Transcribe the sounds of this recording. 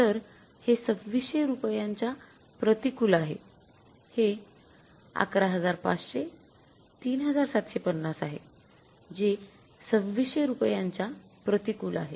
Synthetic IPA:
t̪əɾ | hesəbʋiɕeɾupjaɲt͡ɕa | pɾət̪ikulaɦe | he | a̰kɾaɦəd͡zaɾpa̰t͡sɕe | t̪iːnɦəd͡zaɾsat̪ɕepənːasaɦḛ | d͡ʑe | səbʋiɕeɾupjaɲt͡ɕapɾət̪ikula̰ɦe

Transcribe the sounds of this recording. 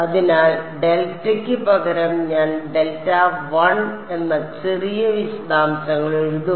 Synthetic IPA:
ɐðinaːlɖelʈːɐkʲːɨbɐɡɐɾɐmɲaːnɖelʈːaʋɐɳ | e̞nːɐt͡ɕerijɐʋiɕɐd̪aːmsɐŋːɐɭeɻuu

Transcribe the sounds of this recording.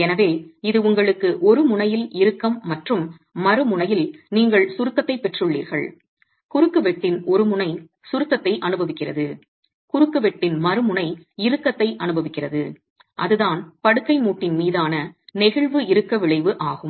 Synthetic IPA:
ɛnɐʋeːɪðɯʊŋɡɐɭɯkːɯʔɔɾɯmʊnɐjɪlɪɾɯkːɐmːɐʈrɯmː | ɐɾɯmʊɳɐjɪlniːŋɡɐɭsʊɾɯk̪ːɐt̪ːɐɪpːɛʈrɯɭːḭːɾɣɐ̰ɭ | kʊɾɯkːɯʋɛʈːɪnɔɾɯmʊɳɐɪ | sʊɾɯk̪ːɐt̪ːɐɪʔɐnɯbɐʋɪkːɪrɐðɯ | kʊɾɯkːɯʋɛʈːɪnmɐɾɯmʊɳɐɪɪɾɯkːɐt̪ːɐɪʔɐnɯbɐʋɪkːɪrɐðɯ | ʔɐðɯðaːnpɐɽɯkːɐɪmuːʈːɪnmiːðaːnɐnɪɣɐɭʋɯɪɾɯkːɐʋɪɭɐɪʋɯʔaːɣɯm

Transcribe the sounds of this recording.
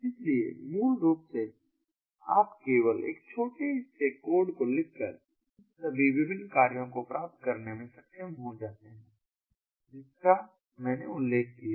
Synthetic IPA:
ɪsliḛmuːlɾuːpse | a̰ːpkeːʋəlḛːk̚t͡ʃʰoːʈeʈeːkːoːɾɖkolɪkːəɾ | sɐbʱiʋɪbɪnkaːɾjõkopɾaːp̚t̪̚kɐɾnemẽsɐkʃemɦõːd͡ʒaːt̪eɦɛ̃ː | d͡ʒɪska | mɛ̃ːneʊlːeːkʰkija

